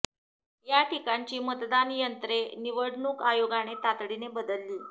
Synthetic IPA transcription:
jaʈʰikaɲt͡ɕiːmət̪d̪anjənt̪ɾeniʋəɽɳuːkajoɡaɽ̃et̪at̪ɽinebəd̪əlːiː

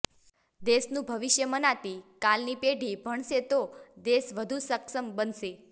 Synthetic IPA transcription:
d̪esnũbʱəʋɪʃjəmənat̪ikalnipeɖʱibʱəɳʃet̪od̪esʋəd̪ʱusəkʃəmbənʃe

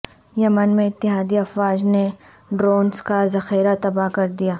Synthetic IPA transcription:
jɐmənmẽɪt̪ːɪɦaːd̪iɐfwaːd͡ʒne | ɖɾoːnskazɐxiːɾat̪ɐbaɦkɐɾd̪ijaː

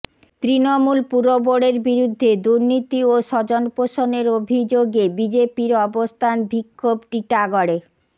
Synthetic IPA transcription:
t̪ɾinomulpuɾoboɽeɾbiɾud̪ʱːed̪uɾnit̪ioʃɔd͡ʑonpoʃoneɾobʱid͡ʑoɡebid͡ʑepiɾɔbost̪ʰanbikʰːobʈiʈaɡoɽe

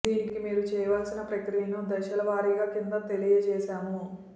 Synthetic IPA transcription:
d̪iːnikimiːɾut͡ʃɛːʋaːlsinɐpɾɐkɾijɐnud̪ɐʃɐlɐʋaːɾiːɡaːkind̪ɐt̪e̞lijɐt͡ʃɛːʃaːmu

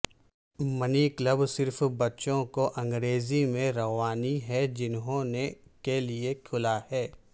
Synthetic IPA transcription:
mɐniːkləbsɪɾfbɐtːʃõkoʔɐ̃ŋɡɾeːzimẽɾɐʋaːniɦɛd͡ʒɪnɦõnekeliekʰʊlahɛː

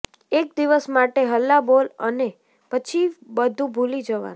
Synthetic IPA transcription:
ek̚d̪iʋəsmaʈeɦəlːabolə̰ne | pət͡ʃʰibəd̪ʱũbʱulid͡ʒəʋa̰n

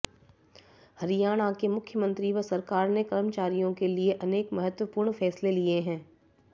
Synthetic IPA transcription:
hɐɾijaːɽ̃akemʊkʰjəmə̃nt̪ɾiʋəsɐɾkaːɾnekɐɾəmət͡ʃaːɾijõkelieʔɐneːkmɐɦət̪wəpuːɾɳfɛːslelieɦɛ̃ː

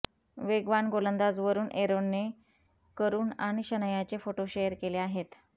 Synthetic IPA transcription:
ʋeɡʋanɡolənd̪ad͡zʋəɾuːnʔeɾonːe | kəɾuːnaɽ̃iɕənəjat͡ɕefoʈoɕejəɾkeleaɦet̪

